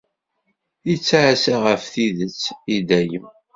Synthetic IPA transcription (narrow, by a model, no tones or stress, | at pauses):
it͡sːaʕasaʁəfθiðət͡sːid̪æjə